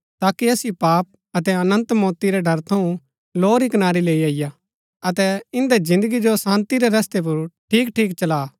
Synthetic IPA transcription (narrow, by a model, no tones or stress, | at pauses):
t̪aːkiɐsjopaːp̚ | ɐt̪ɛɐnə̃nt̪mɔːt̪iɾɛɖʱɐɾt̪ʰɐũ | loːɾikɐnaːɾileːiaːɪja | ɐt̪ɛɪ̃nd̪ezɪ̃nd̪əɡid͡ʒosãːnt̪iɾeɾɐst̪ep̬ʊɾʈʰiːkʈʰiːkt͡ʃɐlaː